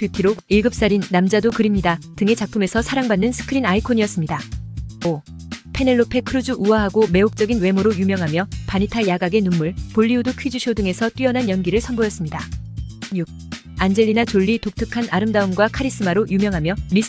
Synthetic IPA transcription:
pjutʰiɾoɡiɭɡɯp̚s͈aɾinːamd͡ʑadokɯɾimɲidatɯŋe̞t͡ɕak̚p͈ʰɯme̞sʰʌsʰaɾaŋbanːɯnsʰɯ̥kʰɯɾinaikʰoɲijʌs͈ɯmɲidao | pʰe̞ne̞ɭːopʰe̞kʰɯɾɯd͡ʑuʔuʌɦaɡome̞ok̚t͡ɕ͈ʌɡinwe̞moɾojumjʌŋɦamjʌpanitʰajaɡaɡe̞numːuɭpoʎːiudukʰɥid͡ʑuɕʰodɯŋe̞sʰʌt͈wiʌnɦanjʌnɡiɾɯɭsʰʌnbojʌs͈ɯmɲidaɲuɡ̚ | and͡ʑe̞ɭʎːinat͡ɕoʎːitok̚tʰɯkʰanaɾɯmdaɯmɡwakʰaɾis͈ɯmaɾojumjʌŋɦamjʌmi

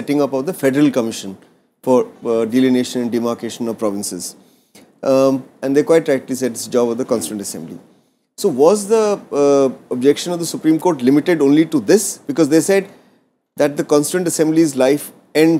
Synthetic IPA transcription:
ɛʈɪ̃ŋʌpɔd̪əfɛɖəɾəlkəmɪʃə̃n | fɔɾɖilineːʃə̃nɛ̃ɳɖimaɾkeːʃə̃nɔpɾɔʋɪ̃nsɪ̰z | ɛ̃nd̪eːkwaɪʈ̚ʈːɾaɛkʈlis̬ɛʈɪ̥sd͡ʒɔːbɔd̪əkɔ̃nsʈə̃ɳʈəsɛ̃mblḭ | soːʋɔːzd̪ə | ɔb̚d͡ʒɛkʃə̃nɔvd̪əsʊpɾĩːmkoːɾʈlɪmɪʈɪɖõːnliʈud̪ɪsb̥ɪkɔːzd̪eːsɛɖ | d̪æʈ̚d̪əkɔ̃nsʈə̃ɳʈəsɛ̃mblizlaɪf | ɛ̃ɳ

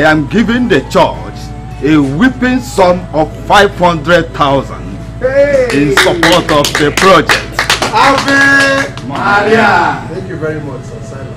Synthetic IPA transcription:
ajãmɡivĩŋdət͡ʃɔ̰ | t͡ʃ | ewipɪ̃nsɔ̃mɔffaɪv̥hɔ̃ndɹɛd̚t̪ʰaʊzã̰nd | ɪ̃nsapɔtɔvdəpɹɔd͡ʒɛk̚talbi | aaɛ̃ŋkjuvɛɹimɔt͡ʃ

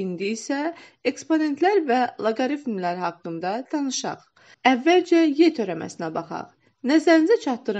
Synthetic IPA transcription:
ind̪iːsæ | e̞kspone̞nt̪læɾvælˠɑɡoɾifmlæɾhɑkːɯnd̪ɑt̪ʰɑnɯʃɑ̰χ | ævːæld͡ʒæjet̪ʰø̞ɾæmæ̰sinæbɑχɑ̰ʁ | næzæɾinizæt͡ʃʰɑt̪ːɯɾ

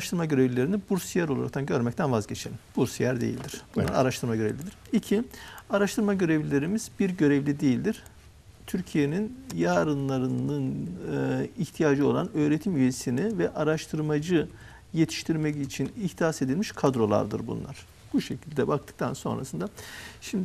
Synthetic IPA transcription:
aɾaʃt̪ʰɯɾmaɟø̞ɾevlʲilʲe̞ɾinibuɾsjæɾolˠaɾa̰k̚t̪ʰanɟø̞ɾmɛc̚t̪ʰænvazɟe̞t͡ʃʰelʲinbuɾsjæɾd̪ḛḭlʲd̪iɾ̥b̥unˠaɾa̰ɾaʃt̪ʰɯɾmaɟø̞ɾevlʲid̪iɾ̥icʰiaɾaʃt̪ʰɯɾmaɟø̞ɾevlʲilʲe̞ɾimiz̥biɾɟø̞ɾɛvlʲid̪e̞jilʲd̪iɾ̥ | t̪ʰyɾcʰije̞ninjaːɾɯnlˠaɾɯnɯnɯiçt̪ʰijaːd͡ʒɯo̞lˠa̰nø̞ːɾet̪ʰimyje̞sinivɛʔaɾaʃt̪ʰɯɾmad͡ʒɯ | je̞t̪ʰi̥ʃt̪ʰiɾmɛcit͡ʃʰiniht̪ʰijase̞d̪ilʲmiʃkʰad̪ɾo̞lˠa̰ɾd̪ɯ̰ɾbṵnlˠa̰ɾ̥ | b̥uʃe̞cʰilʲd̪ɛbakt̪ʰɯ̥k̚t̪ʰanso̞̰nɾʔa̰sɯnd̪aʃimd̪ɪ

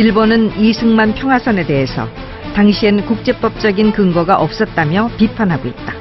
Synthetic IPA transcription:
iɭbonɯnisʰɯŋmanpʰjʌŋɦwasʰane̞de̞ɦesʰʌ̰ | taŋɕʰienkuk̚t͡ɕ͈e̞p͈ʌp̚t͡ɕ͈ʌɡinkɯŋɡʌɡaʔʌp̚s͈ʌt̚t͈amjʌpipʰanɦaɡoit̚t͈ḁ

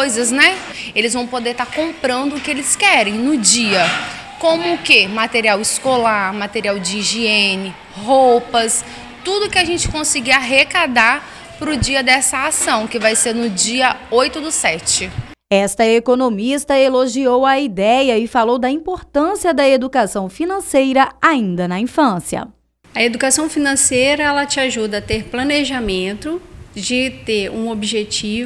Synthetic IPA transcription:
ojzɐznɛelɪzvɐ̃w̃pod̪eɾt̪aɾkõmpɾɐ̃nd̪ʊʊkɪelɪskɛɾẽj̃nʊd͡ʒiɐ | kõmʊːkemat̪eɾiawɪskolaɾmat̪eɾiawd͡ʒɪĩʒiẽnɪ | ɦowpɐs | t̪ud̪ʊkɪaʒẽnt͡ʃɪ̥kõsiɡiaɦekad̪aɾ | pɾʊd͡ʒiɐd̪ɛsɐasɐ̃w̃kɪvajseɾnʊd͡ʒiɐojt̪ʊd̪ʊsɛt͡ʃɪ | ɛst̪ɐekonomist̪ɐeloʒiowɐid̪ɛjɐɪfalowd̪ɐĩpoɾt̪ɐ̃siɐd̪ɐed̪ukasɐ̃w̃finɐ̃sejɾɐaĩnd̪ɐnɐĩfɐ̃siɐ̰ | ɐed̪ukasɐ̃w̃finɐ̃sejɾɐɛlɐt͡ʃɪaʒud̪ɐːt̪eɾplɐ̃neʒamẽnt̪ʊd͡ʒɪt̪eɾũobiʒet͡ʃiv

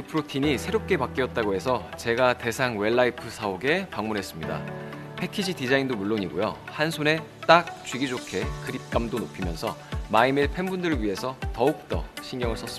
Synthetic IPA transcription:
ɯpʰɯɾotʰiɲisʰe̞ɾop̚k͈e̞pak̚k͈iʌt̚t͈aɡoɦe̞sʰʌt͡ɕe̞ɡate̞sʰaŋwe̞ɭːaipʰɯsʰaoɡe̞paŋmunɦe̞s͈ɯmɲida̰ | pʰe̞kʰid͡ʑʰidid͡ʑaindomuɭːoɲiɡojohansʰone̞t͈ak̚t͡ɕɥiɡid͡ʑokʰe̞kɯɾip̚k͈amdonopʰimjʌnsʰʌmaimɯɭpʰe̞mbundɯɾɯɭɥiɦe̞sʰʌtʌuk̚t͈ʌ̰ɕʰinɡjʌŋɯɭs͈ʰʌs͈ɯ

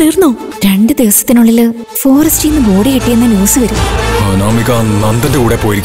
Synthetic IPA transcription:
t̪iːrnːoː | ɾeɳɖɨd̪eʋɐsɐ̥t̪ːinuɭːil | fo̞ːrɐstɨjnːɨbo̞ːɽiɣiʈːijenːɨnoːsɨʋɐɾunaːmɭikʲːanɐnd̪ɐndeuːɽepːoːjiɾikʲː

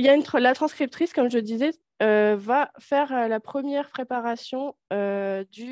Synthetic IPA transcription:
iljaynt̪χlat̪χɑ̃skχip̚t̪χiskɔmʒəd̪izɛ | øvafɛʁølapχəmjɛʁpχepaʁasjɔ̃ød̪y

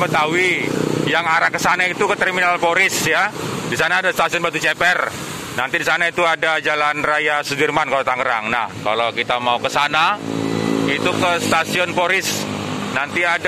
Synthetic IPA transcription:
bət̪awijaŋaɾahkəsanait̪ukət̪əɾminalpoɾɪsjadisanaːdast̪asiɔnbat̪ut͡ʃɛpɛr | nant̪idisanait̪uadad͡ʒalanrajasəbirmankalot̪aŋɡəɾa̰ŋna̰hka̰lawkit̪amaukəsana | it̪ukəst̪asiɔnpoɾɪsnant̪iad

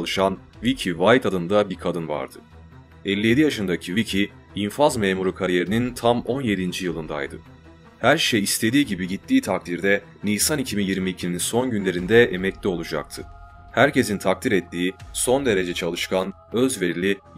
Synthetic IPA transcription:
lˠɯʃanvicʰivajt̪ʰad̪ɯnd̪abiɾkʰad̪ɯnva̰ɾd̪ɯ | ɛlʲːije̞d̪ijaʃɯnd̪acʰivicʰiː | nfazmeːmuɾukʰaɾije̞ɾinint̪ʰamo̞nje̞d̪ind͡ʒijɯlˠɯnd̪a̰jd̪ɯ̰ | hæɾʃejist̪ʰe̞d̪iːɟibiɟit̪ʰːiːt̪ʰak̚t̪ʰiɾd̪ɛ | nijsanicʰimijiɾmiːcʰininso̞nɟynlʲe̞ɾind̪ɛʔemɛclʲio̞lˠud͡ʒa̰k̚t̪ʰɯ | hæɾce̞sint̪ʰak̚t̪ʰiɾɛt̪ʰːiːso̞nd̪e̞ɾe̞d͡ʒɛt͡ʃʰalˠɯʃkan | ø̞zve̞ɾilʲi

